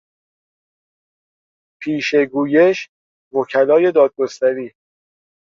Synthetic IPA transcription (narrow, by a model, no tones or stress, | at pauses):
pʰiːʃe̞ɡuːje̞ʃ | vocʰælɒːje̞d̪ɒːd̪̚ɡo̞st̪æɾiː